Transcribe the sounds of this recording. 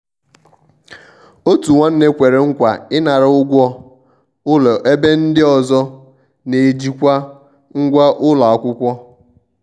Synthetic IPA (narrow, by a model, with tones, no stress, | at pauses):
o˦tu˨ŋʷa˦n̩˦ne˦kʷe˨ɾe˨ŋ̩˦kʷa˨ɪ˦na˨ɾɪ˨˦ʊ˦ɡʷɔ˦ | ʊ˦lɔ˨ʔe˦be˦n̩˦dɪ˦ɔ˨zɔ˦ | ne˨d͡ʒi˦kʷa˦ | ŋ̩˦ɡʷa˦ʔʊ˦la˨a˦˨kʷʊ˦kʷɔ˦